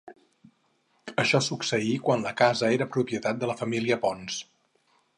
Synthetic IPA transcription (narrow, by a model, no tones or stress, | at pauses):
əʃɔsuksəikwanləkazəeɾəpɾupiət̪at̪̚d̪ələfəmiliəpɔns